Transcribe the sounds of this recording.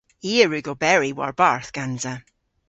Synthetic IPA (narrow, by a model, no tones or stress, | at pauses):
iːəɹʉɡobɛɹiwa̰ɹbaɹθɡ̥anza